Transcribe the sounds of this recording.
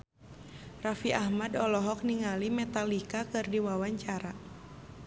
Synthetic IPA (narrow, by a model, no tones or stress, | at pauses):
rafiʔahmadɔlɔɦɔk̚niŋalimɛt̪alikakɨrdiwawaɲt͡ʃaɾa